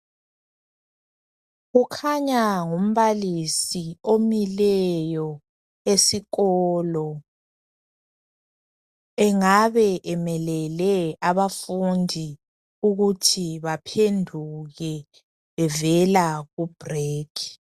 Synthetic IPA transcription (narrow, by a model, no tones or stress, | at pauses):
ɣukʰaɲaŋum̩βalisiomilɛjɔ | esiɣɔːlɔ | ɛŋaβɛʔɛmɛlɛlɛaβafundʱi | uɣutʰiβapʰendʱuɣɛ | βɛvɛlaɣub̥ʱreːkʰi̥